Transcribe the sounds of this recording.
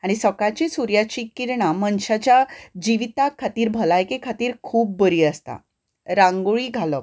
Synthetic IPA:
aɽ̃isəkat͡ɕisuɾjat͡ɕikiɾɳamənɕat͡ɕjad͡ʑiʋit̪akʰːat̪iːɾbʱəlajkekʰat̪iːɾkʰuːb̚ːəɾiːəst̪a̰ | ɾãŋɡuɭiːɡʱalə

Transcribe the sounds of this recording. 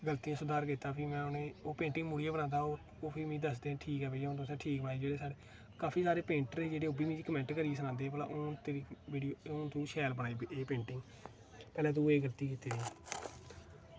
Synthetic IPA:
ɡəlt̪ijãːsʊd̪aːɾk̬iːt̪ːaːpʰiːmɛ̃ːʊneːoːpẽːɳʈɪŋɡmuːɽijaːbənãːd̪aːoː | oːpʰiːmĩːd̪əsd̪ẽːʈʰiːkɦɛːbeːd͡ʒʊnt̪oːsɛ̃ːʈʰiːkbaːeːd͡ʒeːɽeːsaːɖe | kaːpʰiːsaːɾeːpẽːɳʈəɾeːd͡ʒeːɽeːobiːmĩːd͡ʒikəmɛ̃ːɳʈkəɾieːs̬ənãːnd̪ẽːpəla̰ʔoːnt̪eːɾiʋiːɖijoːʊːnt̪ũːʃɛːlbənaːiːbeːpẽːɳʈɪŋɡ | pɛːlɛ̃ːt̪ũːeːɡəlt̪iːkiːt̪eːniː

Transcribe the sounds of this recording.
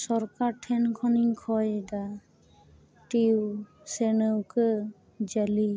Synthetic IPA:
sɔɾkaɾʈʰɛnkʰɔniŋkʰɔjda | ʈiw | senəwkɯ | d͡ʒali

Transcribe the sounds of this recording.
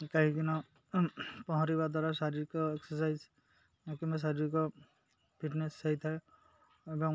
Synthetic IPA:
kaɦikinɔ | pɔɦɔ̃ɾibad̪waɾasaɾiɹkɔeksɔsajz | kimas̬aɾiɹkɔ | pʰiʈnesːaɦit̪ʰaj | bɔŋ

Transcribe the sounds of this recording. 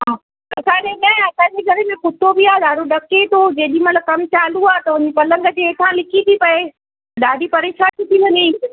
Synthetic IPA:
ɦãː | kɐsʰãɗeɗãːɐsãːɲd͡ʑeɡʱɐɾemẽpʊt̪ʰobiaːezaːɾoɗɐket̪ʰod͡ʑeːɗĩmɐt̪ləb̚kɐmt͡ɕaːluaːt̪ɐʋʊ̃ɲd͡ʑipɐlə̃ŋɡəd͡ʑeeːt̪ʰãlɪkit̪ʰipɐe | ɗaːɖʱipɐɾeːʃat̪ʰit̪ʰiʋɐɲe

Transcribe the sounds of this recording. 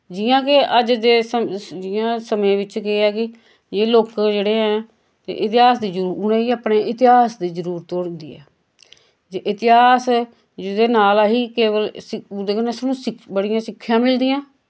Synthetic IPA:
d͡ʒijãːkeəd͡ʒd̪eːsəd͡ʒɪãːsəmẽːʋɪt͡ʃkeɛːkɪ | jeːloːkd͡ʒeːɽeːɦɛ̃ː | t̪ḛʔɪt̪ɪɦaːsd̪iːd͡ʒəuːɾʊnẽːiːəpneːʔɪt̪ɪɦaːsd̪iːzəɾuːɾt̪ːoːɽnd̪ḭːɛ̰ː | d͡ʒeʔɪt̪ɪɦaːs | d͡ʒɪd̪eːnaːlaɦiːkeːʋəlɪd̪eːkəneːsənũːsɪbəɽijãːsɪkʰːjãːmɪld̪iːãː

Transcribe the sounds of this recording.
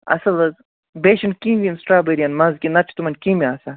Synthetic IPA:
ɐ̰sɐlɐz | beːʃinkĩːbʲinsʈɾaːbɐɾiɐnmɐ̃zkʲinɐt͡ʃʰi̥t̪umɐnkĩːmiaːsɐ

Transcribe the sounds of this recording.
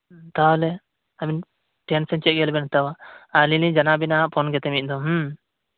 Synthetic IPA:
t̪alɛ | abin | ʈɛnsɛnt͡ʃɛʔ̚ɡɛlbɛnt̪awaalilid͡ʒanabinaʔpʰɔnɡɛt̪ɛmit̪̚ˀd̪ɔɦ

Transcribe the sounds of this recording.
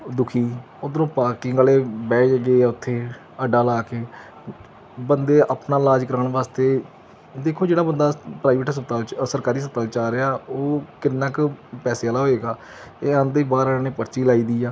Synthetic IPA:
d̪ʊkʰiː | oːd̪əɾõːpaːɾʈɪ̃ŋɡaːleːbɛːd͡ʒɡeːʊt̪ʰːeː | əɖaːlaːkeː | bənd̪eːʔaːpnaːlaːd͡ʒkəɾaɳʋaːst̪eː | d̪eːkʰoːd͡ʒeːɽaːbənd̪aːpɾaːɪʋeʈsət̪alsəɾkaːɾiːs̬ət̪aːlt͡ʃaːɾɪaːoːkɪnːaːkpɛːseːalaːɦoːeːɡaː | eːãnd̪eːbaːɾəːnẽːpəɾt͡ʃiːlaːiːd̪iːaː

